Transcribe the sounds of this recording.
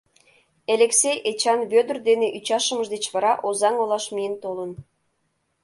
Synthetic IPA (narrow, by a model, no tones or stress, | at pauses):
elʲeksejet͡ɕɑnβød̪ərd̪eneʔyt͡ɕɑʃəməʒd̪et͡ɕβɑɾɑʔozɑŋolɑʃmijənt̪olən